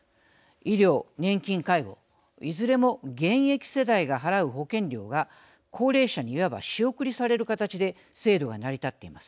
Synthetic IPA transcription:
iɾʲo̞ːnẽ̞ŋkʲĩŋkaiɡo̞̰ | izɨɾe̞mo̞ɡẽ̞ɰ̃e̞kʲi̥se̞d̪aiɡaɦaɾaɯ̟ɦo̞kẽ̞ɲɾʲo̞̰ːɡa | kʰo̞ːɾe̞ːɕaɲ̟iːaba̰ɕio̞kɯ̟ɾʲisaɾe̞ɾɯ̟kat̪at͡ɕid̪e̞ | se̞ːd̪o̞ɡanaɾʲit̪at̪ːe̞imasɨ̥

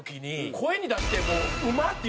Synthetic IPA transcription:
okʲiɲ̟ikʰo̞eɲʲid̪aɕi̥t̪emoːɯ̟mat̪ːe

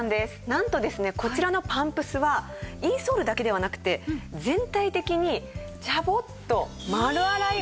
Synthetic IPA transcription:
nd̪esɨ̥nãnt̪o̞d̪e̞sɨne̞ko̞t͡ɕiɾano̞pãmpɯ̟sɨβaiːso̞ːɾɯ̟d̪ake̞d̪e̞β̞anakɯ̟̥t̪e̞zẽ̞nt̪ait̪e̞kʲiɲ̟i | d͡ʑabo̞t̪ːo̞ | maɾɯ̟aɾai

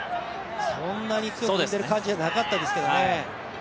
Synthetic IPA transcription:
sõnːaɲ̟it͡sɨjooɯend̪eɾɯkãɲ̟d͡ʑianakat̪ːad̪e̞sɨ̥ked̪one

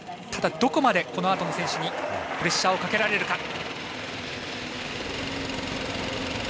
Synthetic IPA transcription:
t̪ʰad̪ad̪o̞ko̞mad̪e̞ko̞no̞at̪o̞no̞sẽɕiɲ̟iɸɯ̟ɾe̞ɕːao̞kake̞ɾaɾe̞ɾɯ̟ka

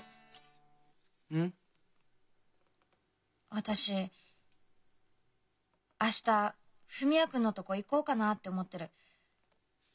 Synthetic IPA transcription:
ɯ̟̃ | βat̪aɕi | aɕi̥t̪a | ɸɯ̟mʲiakɯ̟̃nːo̞t̪o̞koiko̞ːkanat̪ːeomo̞t̪ːe̞ɾɯ̟

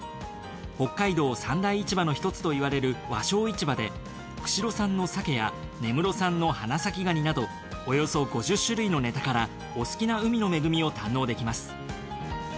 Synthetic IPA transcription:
ho̞kːaid̪o̞ːsãnd̪aiːt͡ɕibano̞çi̥t̪o̞t͡sɨ̥t̪o̞iβaɾe̞ɾɯ̟βa̰ɕo̞ːit͡ɕibad̪e̞̰ | kɯ̟̥ɕiɾo̞sãnːo̞sake̞ja̰ | ne̞mɯ̟ɾo̞sãnːo̞hanasakʲiɡaɲ̟inad̪o̞ː | jo̞so̞ɡo̞ʑɨɕːɨɾɯ̟ino̞ne̞t̪akaɾa | osɨ̥kʲinaɯ̟mʲino̞me̞ɡɯ̟mʲio̞t̪ãnːo̞ːd̪e̞kʲimasɨ̥

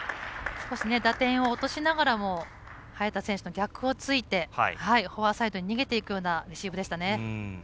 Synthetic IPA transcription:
sɨ̥ko̞ɕine̞d̪at̪ẽ̞ɰ̃o̞ːt̪o̞ɕinaɡaɾamo̞ | hajat̪ːasẽ̞ɰ̃ɕɨ̥no̞ɡʲakɯ̟o̞t͡sɨit̪e̞hihaiho̞βasaid̪o̞ɲ̟iɲ̟iɡe̞t̪e̞ikɯ̟jo̞ːnaɾʲiɕiːbɯ̟d̪e̞ɕi̥t̪ane̞

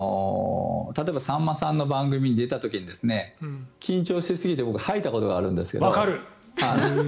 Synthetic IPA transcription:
o | t̪at̪o̞ebasãmːasãnːo̞bãŋɡɯ̟mʲiɲ̟id̪e̞t̪at̪o̞kʲiɲ̟id̪e̞sɨne̞kʲĩɲ̟t͡ɕo̞ːɕt̪esɨɡʲit̪e̞bo̞kɯ̟hait̪ako̞t̪o̞ɡaːɾɯ̟̃nd̪e̞sɨ̥ke̞a̰kaɾɯ | ha

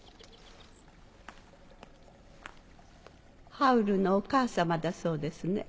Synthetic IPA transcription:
hɑʉɾʉnoːkʰɑːsɑmɑd̪ɑsoːd̪əsnə

